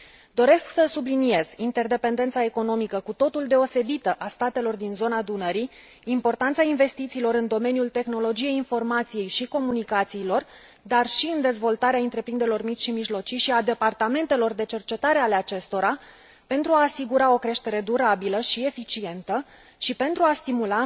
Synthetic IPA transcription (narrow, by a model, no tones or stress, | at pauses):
d̪o̞ɾe̞sksəsublinije̞z̥int̪e̞rd̪e̞pe̞nd̪e̞nt̪sae̞ko̞no̞mikəkut̪o̞t̪uld̪e̞o̞se̞bit̪əʔast̪at̪e̞lo̞rd̪inzo̞nad̪unəɾiː | mpo̞rt̪ant̪sainve̞st̪it̪siːlo̞ɾɨnd̪o̞me̞njult̪e̞xno̞lo̞d͡ʒije̞jinfo̞rmat̪sije̞jʃiko̞munikat̪siːlo̞r | d̪arʃiɨnd̪e̞zvo̞lt̪aɾeaɨnt̪ɾe̞pɾind̪eɾelo̞rmit͡ʃʲʃimiʒlo̞t͡ʃiʃiad̪e̞part̪ame̞nt̪e̞lo̞rd̪e̞t͡ʃe̞rt͡ʃe̞t̪aɾe̞ale̞at͡ʃe̞st̪o̞ɾa | pe̞nt̪ɾuaːsiɡuɾao̞kɾe̞ʃt̪e̞ɾe̞d̪uɾabiləʃie̞fit͡ʃie̞nt̪ə | ʃipe̞nt̪ɾuast̪imula